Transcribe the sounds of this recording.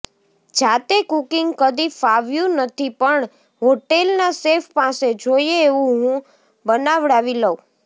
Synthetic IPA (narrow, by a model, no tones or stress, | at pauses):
d͡ʒat̪ekukiŋɡkəd̪ifaʋjũnət̪ʰipəɳ | ɦoʈelnasefpased͡ʒoieːʋũɦũ | bənaʋɽaʋiləũ